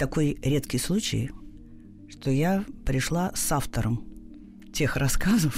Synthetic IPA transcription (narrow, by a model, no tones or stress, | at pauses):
t̪ɐko̞jɾʲe̞t̪kʲɪjslˠut͡ɕɪ̰j | ʂt̪ojapɾʲɪʂlˠasaft̪əɾəm | tʲe̞xrɐskazəf